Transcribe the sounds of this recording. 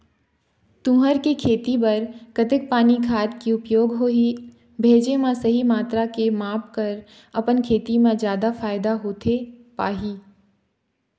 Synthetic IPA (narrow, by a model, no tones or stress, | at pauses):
t̪ũːɦəɾkekʰeːt̪ibɐɾkət̪ɪk̚paːnikʰaːt̪kiʊpjoːɡɦoi | bʱeːd͡ʒemãsɐɦimaːt̪ɾakemaːpkɐɾ | ɐpənkʰeːt̪imẽd͡ʒjaːd̪afaːɪd̪aɦoːt̪ʰepa̰ːɦiː